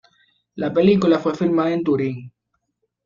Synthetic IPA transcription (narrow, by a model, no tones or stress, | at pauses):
lapelikulafwefilmaðaẽnt̪uɾiŋ